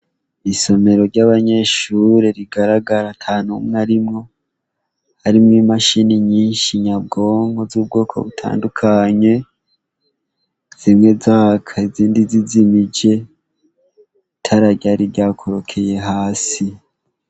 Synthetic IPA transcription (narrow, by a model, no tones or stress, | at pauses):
iso̞me̞ɾo̞ɾɟaβaɲe̞ʃuɾeɾiɡaɾaɡaɾatʰaːnumŋaɾimŋo̞ | haɾimŋimaʃiniɲiːnʃiɲab̚ɡo̞ːŋɡo̞zuːb̚ɡo̞ːkʰo̞̰βutʰa̰ːndukʰaɲe̞ | z̥imŋe̞zaːkʰaiziːndizizimid͡ʒe̞ | itʰaɾaɟaɾiɟaːkʰo̞ɾo̞kʰe̞je̞ɦaːsi